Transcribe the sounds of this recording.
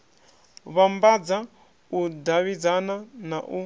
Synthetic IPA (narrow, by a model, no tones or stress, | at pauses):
βambad͡za | udaβid͡zananaʔu